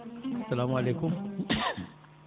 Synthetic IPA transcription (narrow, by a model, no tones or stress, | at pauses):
ɐsːɐlaːmualeːkʊm